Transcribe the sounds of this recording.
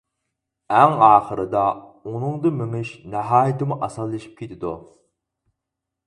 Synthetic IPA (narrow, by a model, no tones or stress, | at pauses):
æŋɑːχəɾʔɨd̪ɑunɨŋd̪ɨmyŋyʃnæɦɑːjɪt̪ɨmuʔɑsɑllˠːɨʃi̥p̚kʲʰet̪ʰɪd̪u